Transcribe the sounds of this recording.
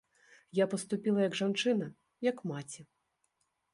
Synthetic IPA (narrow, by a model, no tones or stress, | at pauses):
japɐst̪upʲilˠɐjɐɡʐant͡ʂɨnɐ | jɐkmat͡sʲi